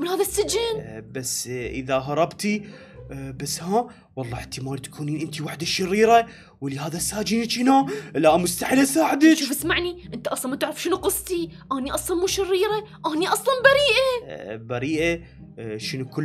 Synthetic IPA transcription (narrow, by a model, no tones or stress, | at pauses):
mɪnhaːðasːɪd͡ʒɪnbasːʔɪ̰ðaɦɑɾˤɑbt̪i | basːhaː | wɑlˤːɑːħt̪imaːlt̪ḁkʰuːniːnʔɪnt̪iwaħd̪aʃɪrːiːɾa | wlihaːðasːaːd͡ʒɪnt͡ʃɪnalaʔmʊst̪aħɪlasaːħd̪ɪʃuːfɪsmaʕniʔɪnt̪aʔɑsˤlɑnmat̪ɪʕɾɪfʃɪnuqʊsˤt̪iʔaːniʔɑsˤlɑnmuːʃɪrːiːɾaʔaːniʔɑsˤlɑnbaɾiːʔabaɾiːʔa | ʃɪnukʊ